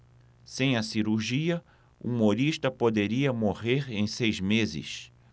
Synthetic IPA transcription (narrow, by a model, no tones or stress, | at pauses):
sẽj̃ɐsiɾuɾʒiɐ | uumoɾiʃt̪ɐpod̪eɾiɐmoʁeɾẽj̃sejzmezɪ̰s